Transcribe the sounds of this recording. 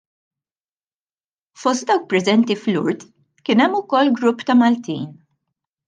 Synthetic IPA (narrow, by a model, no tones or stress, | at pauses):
fɔst̪̚d̪ɐwk̚pɾɛzɛnt̪iflʊ̰ɾt̪ | kɪnɛmːʊkɔlːɡɾʊpːt̪ɐmɐlt̪ḭːn